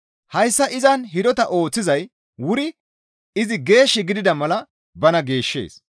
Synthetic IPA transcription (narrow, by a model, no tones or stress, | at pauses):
hɐjsːɐʔɪzɐnɦɪd̪ɔt̪ɐʔo̞ːt͡sːɪzɐj | wʊɾɪ | ɪzɪɡe̞ːʃːɪɡɪd̪ɪd̪ɐmɐlɐ | bɐnɐɡe̞ːʃːe̞̰ːs